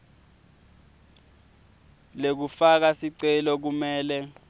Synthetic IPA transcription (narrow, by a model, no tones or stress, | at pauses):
lek̬ufak̬asiǀɛlɔk̬umɛːlɛ